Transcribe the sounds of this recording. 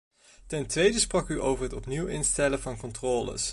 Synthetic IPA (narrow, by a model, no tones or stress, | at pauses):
tɛntʋejdəsprɑkyʔo̰wvəɹɦətɔpniwɪnstɛləvɑnkɔntrɔːlə̰s